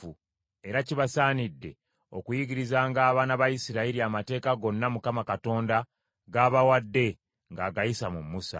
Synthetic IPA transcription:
u | e̞ɾaciβasaːnidːe̞ | o̞̰kujiɡiɾizaːŋɡaːβaːnaβajisiɾaiɾiamate̞ːkaɡo̞nːamukamakato̞ːnda | ɡaːβawadːe̞ | ŋɡaːɡajisamumːusa̰

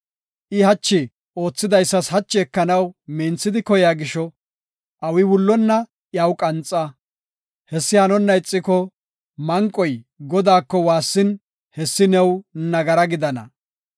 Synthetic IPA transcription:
ʔɪhɐt͡ʃːɪ | o̞ːt͡sːɪd̪ɐjsːɐshɐt͡ʃːɪɛkːɐnɐwmeːnt͡sːɪd̪ɪkɔjaːɡɪʃɔ | ʔɐwɪwʊlːɔnːɐ | jɐːwkʼɐnt͡sʼːɐ | hɛsːɪhɐnɔnːɐɪt͡sʼːɪkɔ | mɐŋkʼːɔjɡɔd̪aːkːɔwaːsːɪn | hɛsːɪnɛwnɐɡɐɾɐɡɪd̪ɐnɐ̰

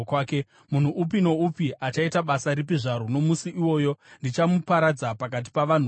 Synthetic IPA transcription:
kaːke | mun̤uʔup̬ino̞upiʔat͡ʃaitaɓasaɾip̬iʐaɾono̞musiʔiwo̞ːjo̞ndit͡ʃamupaɾad͡zapakat̬i̥paʋan̤u

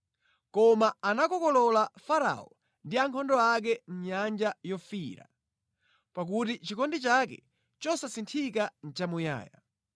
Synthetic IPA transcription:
kɔmaanakɔkɔlɔlafaɾa̰ɔ | ndiaŋkʰɔndɔak̬ɛm̩ɲand͡ʒajɔfiɾa̰ | pak̬utit͡ʃikɔndit͡ʃakɛ̰ | t͡ʃɔsasintʰikan̩t͡ʃamuja̰ːja̰

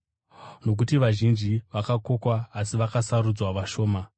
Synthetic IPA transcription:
no̞k̬utiʋaʒind͡ʒiʋakako̞kwaːsiʋakasaɾud͡zwaʋaʃo̞ːma

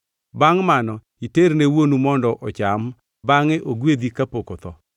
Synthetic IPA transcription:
baŋmanɔ | iteɾnewonumɔndɔʔɔt͡ʃam | baŋeʔoɡwed̪ikapokot̪ɔ

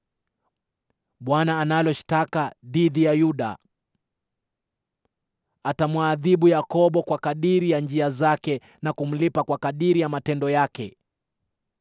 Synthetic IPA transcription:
ɓwanaːnalɔʃtakaɗiðijajuɗa̰ | atamwaðiɓujakɔɓɔkwakaɗiɾijand͡ʒiazakɛ | nakum̩lipakwakaɗiɾijamatɛndɔjakɛ̰

